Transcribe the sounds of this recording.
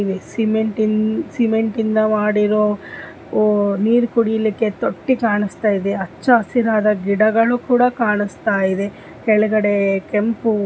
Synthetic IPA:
ʋisimeɳʈinsimeɳʈind̪ɐmaːɽiɾoː | niːɾkuɽijɐlikːe̞t̪oʈːikaːɳist̪aːjid̪e̞ɐt͡ʃːɐːsiɾaːd̪ɐɡiɽɐɡɐɭukuːɽɐkaːɳist̪aːjid̪e̞ | keɭuɡɐɽekempu

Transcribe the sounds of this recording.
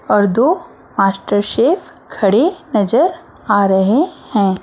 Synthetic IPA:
ɔːɾd̪oː | maːsʈəɾʃeːpʰkʰɐɽenɐd͡ʒəɾ | aɾɐɦehɛ̃ː

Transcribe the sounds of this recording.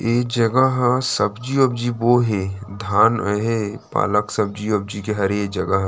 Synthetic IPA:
eːkd͡ʒɐɡaɦsɐbd͡ʒiob̚d͡ʒiboːɦed̪ʱaːnəɦepa̰ːləksɐb̚d͡ʒiob̚d͡ʒikeɦɐɾeːk̚d͡ʒɐɡaɦ

